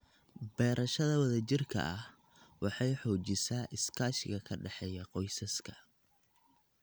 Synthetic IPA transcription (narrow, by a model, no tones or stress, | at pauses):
bɛːɾɐʃɐðɐwɐðɐt͡ʃɪrkʰɐ̰ʔɐh | wɑħɑjħɔːt͡ʃɪsaːʔɪskʰaːʃɪɣɐkʰɐɖɛħɛjɐqɔjsɐskʰɐ̥